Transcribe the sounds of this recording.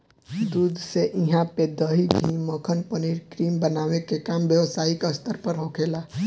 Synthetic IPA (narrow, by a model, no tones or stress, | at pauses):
d̪ud̪seʔĩɦãped̪əɦiɡʱiməkʰənpəniɾkɾimbənaʋekekambjəʋsaikəst̪ʰəɾpəɾɦõkʰela